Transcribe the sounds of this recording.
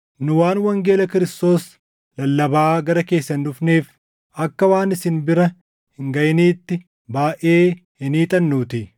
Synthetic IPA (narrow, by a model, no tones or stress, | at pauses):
nʊwaːnwɐŋɡe̞ːlɐkɪɾɪst̪o̞ːs | lɐlːɐbaːɡɐɾɐke̞ːsːɐnːʊfneːf | ʔɐkːɐwaːnɪsɪnbɪɾɐ | hɪŋɡɐjniːt̪ːɪ | baːʔeːhɪniːt̪ʼɐnːuːt̪ɪ